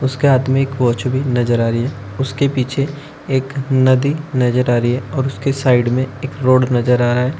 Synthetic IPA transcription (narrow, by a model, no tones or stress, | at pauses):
ʊskeaːt̪mẽeːkʋɔːt͡ʃbʱinɐzəɾaːɾiɦɛː | ʊskepiːt͡ʃʰe | eːknɐd̪inɐd͡ʒəɾaːɾiɦɛɔːɾʊskesaːɪɖmẽeːkɾoːɖnɐd͡ʒəɾaːɾaɦɛː